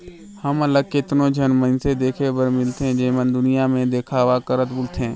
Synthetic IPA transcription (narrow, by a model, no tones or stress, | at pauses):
həmələɡ̚ket̪nõd͡ʒʱənmə̃nsed̪eːkʰebəɾmɪlt̪ɦɛ̃d͡ʒeːmənd̪ʊnɪjamẽd̪eːkʰaːʋakəɾət̪bʊlt̪ʰɛ̃ː